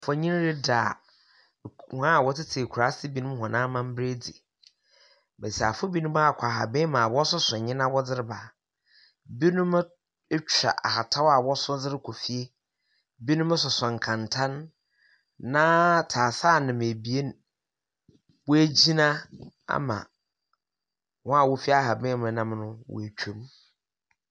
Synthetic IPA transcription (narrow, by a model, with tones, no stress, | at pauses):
fɔ˦ɲĩ˦n˦ɾɪ˦da̰˨ | ha˦˨wɔ˦tɪ˦tʰɪ˨kʰu˨ɾa˨˦sɪ˦bi˦nũ˦m˦ɦɔ̃˨nã˦mã˦m̩˦bɾe˦d͡zi˨ | be˨si˨a˨fʊ˦bi˦nʊ̃˦ba˦a˦˨kʰʷa˨ɦa̰˨bẽ˦mã˨wɔ˦sʊ˦sɔ̃˨ɲɪ̃˦nã˦wɔ˦d͡zɪ˦ɾɪ˦ba˨ | bi˦nʊ̃˦m˦ | t͡ɕʰᶣa̰˨ʔa̰˨ha˨tʰa˦wa˨wɔ˦sʊ˦d͡zɪ˦ɾɪ˦kʰo˨fi˦e˦ | bi˦nʊ̃˦mɪ̃˦sʊ˨sɔ̃˨ŋ̩˨kʰã˨ntʰã˦nː | ã˦tʰaː˨saː˦˨nɪ̃˨m˨e˨bi˨e˦n˨ | wɔ˦æ˦d͡ʑi˦nã˦a̰˦mã̰˨ | wɔ̃˦a˨wo˦fi˦a˦˨ɦa˨bɛ̃˦mʊ̃˨˦nã˦mnʊ̃˦wʔe˨t͡ɕᶣʰu˦m